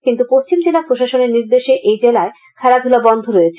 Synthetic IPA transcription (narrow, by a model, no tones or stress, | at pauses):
kint̪upost͡ɕimd͡ʑelapɾoʃaʃoneɾniɾd̪eʃeʔejd͡ʑelae | kʰɛɾad̪ʱulabɔnd̪ʱoɾojet͡ɕʰ